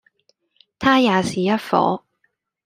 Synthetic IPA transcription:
t̪ʰaː˥jaː˨siː˨˩jɐ˥t̚fɔ̰ː˨˥

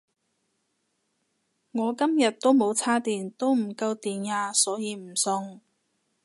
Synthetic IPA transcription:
ŋɔː˨˧kɐ˥mjɐ˨t̚t̪ːo˥wmo˨˧wt͡sʰaː˥t̪iː˨nt̪o˥wm̩˨˩kɐ˧wt̪iː˨njaː˧sɔː˨˥jiː˨˧m̩˨˩sʊ˧ŋ

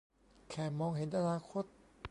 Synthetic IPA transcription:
kʰɛː˨˩mɔː˧ŋɦe˨˦nʔa˧naː˧kʰo˦˥t̪̚

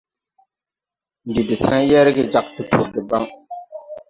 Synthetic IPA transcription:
n̩˨dɨ˨dɨ˨sa˦njɛ˦ɾɨ˦ɡɨ˦d͡ʒa˨k̚tɨ˨tʰʊ̰˨ɾdɨ˨ba˦ŋ

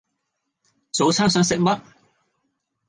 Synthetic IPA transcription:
t͡so˨˥wt͡sʰaː˥ŋsœː˨˥ŋsɪ˨k̚mɐ˥t̚

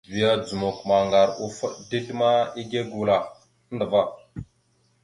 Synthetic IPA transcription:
vi˨ja˦d͡zu˨mo˨kma˨ŋɡa˨ɾu˨fə˦ɗdi˦ɮma˦i˦ɡe˦ɡu˨la˨ | ə˦ndə˨va˦

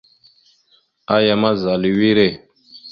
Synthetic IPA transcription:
a˦ja˨ma˦za˨li˨wi˦ɾe˦˨

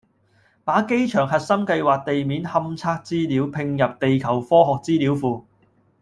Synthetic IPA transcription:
paː˨˥ke˥jt͡ʃʰœː˨˩ŋɦɐ˨t̚sɐ˥mkɐ˧jwaː˨k̚t̪e˨jmiː˨˥nhɐ˧mt͡sʰaː˧˥k̚t͡siː˥li˨˥wpʰɪ˧ŋjɐ˨p̚t̪e˨jkʰɐ˨˩wfɔː˥ɦɔː˨k̚t͡siː˥li˨˥wfuː˨˧

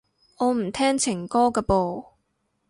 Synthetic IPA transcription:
ŋɔː˨˧m̩˨˩t̪ʰɛː˥ŋt͡sʰɪ˨˩ŋkɔː˥kɛː˧po˨w

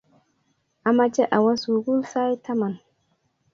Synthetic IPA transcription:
a˨ma˦t͡ʃe˦ʔa˨wa˦su˨ɡu˦lsa˦jta˦ma˨n

